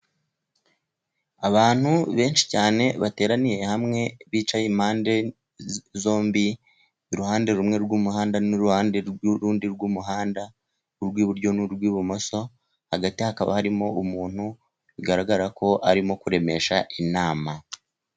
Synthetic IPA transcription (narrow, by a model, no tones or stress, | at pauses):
aβaːn̥huβe̞ːnʃi̥caːne̞βate̞ːɾanije̞hamŋe̞βiːt͡ʃajiːm̥haːnde̞ | zo̞ːmbi | ɾuhaːnde̞ɾumŋe̞ɾɡwumuɦaːndanuɾuhaːnde̞ɾwɾuːndiɾɡumuɦaːnda | uɾɡwiːβuɾɟo̞nuɾɡwiːβumo̞so̞ | haɡatihakaβa̰haɾimo̞umuːn̥hu | βiɡaɾaɡaɾakʰo̞ʔaɾimo̞kuɾe̞me̞ʃaʔinaːma